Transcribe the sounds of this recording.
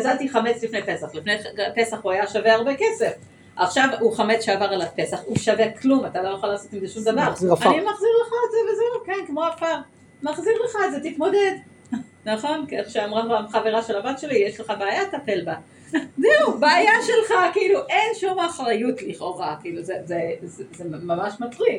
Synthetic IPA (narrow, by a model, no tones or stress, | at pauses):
azalt̪iχame̞t͡slifnepe̞saχlifnepe̞saχuajaʃaveaʁbekese̞f | aχʃavuχamet͡sʃeavaʁalape̞saχuʃaveklumat̪alo̞joχalaːso̞t̪imzeʃumd̪avaʁanimaχziʁleχazevezeukenkmo̞afaʁ | maχziʁleχaetzet̪it̪mo̞de̞d̪ | naχo̞nkieχʃeamʁanbamχave̞ʁaʃe̞labatʃe̞lijeʃleχabeajat̪ape̞lba | zeubeajaʃe̞lχakiiluʔe̞nʃumaχʁajutliχo̞ʁakiiluzezezzemamaʃmatʁi